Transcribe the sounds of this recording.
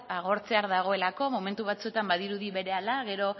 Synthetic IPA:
aɣ̞o̞ɾt͡se̞aɾðaɣ̞o̞e̞lako̞mo̞me̞nt̪uβat͡sue̞t̪ambaðiɾuðiβe̞ɾe̞alaɣe̞ɾo̞

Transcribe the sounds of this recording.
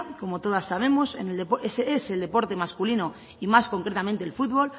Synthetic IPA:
ko̞mo̞t̪o̞ð̞asːaβ̞e̞mo̞se̞̰ne̞ld̪epoesese̞ld̪e̞po̞ɾt̪e̞maskulino̞ | imasko̞ŋkɾe̞t̪amẽnt̪e̞elfud̪βo̞l

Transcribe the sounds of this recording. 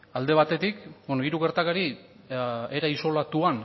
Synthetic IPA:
ald̪e̞β̞at̪e̞t̪ikbonoiɾuɣeɾt̪akaɾi | eɾaiso̞lat̪uan

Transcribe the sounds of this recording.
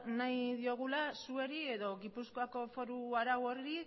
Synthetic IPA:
najðio̞ɣ̞ulasue̞ɾie̞ðo̞ɣipusko̞ako̞fo̞ɾuaɾawoɾi

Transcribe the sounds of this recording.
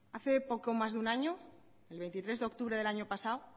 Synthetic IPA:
aθe̞po̞ko̞mazðunaɲo | elβe̞jnt̪it̪ɾe̞zðeo̞k̚t̪uβɾe̞ðelaɲopasaw

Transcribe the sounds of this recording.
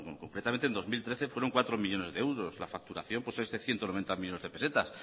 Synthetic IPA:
koŋkɾet̪ament̪end̪o̞milt̪ɾe̞θe̞fwe̞ɾo̞ŋkwat̪ɾomiʎo̞ne̞zðeewɾo̞sla̰fak̚t̪uɾa̰θjo̞mpwosezðeθje̞nt̪onoe̞nt̪amiʎo̞ne̞zðe̞pe̞se̞t̪as

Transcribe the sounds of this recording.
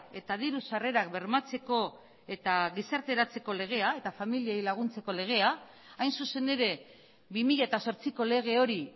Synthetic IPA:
e̞t̪að̞iɾusare̞ɾak̚be̞ɾmat͡se̞ko̞ | e̞t̪aɣisaɾt̪e̞ɾat͡se̞ko̞le̞ɣ̞e̞ae̞t̪afamiliejlaɣ̞unt͡se̞ko̞le̞ɣ̞e̞a | ajnsuse̞ne̞ɾe̞ | bimiʎaet̪aso̞ɾt͡siko̞le̞ɣ̞e̞o̞ɾi

